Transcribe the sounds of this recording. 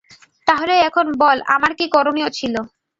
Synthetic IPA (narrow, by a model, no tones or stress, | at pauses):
t̪aɦoleɛkʰonbɔla̰maɾkikɔɾoniot͡ɕʰilo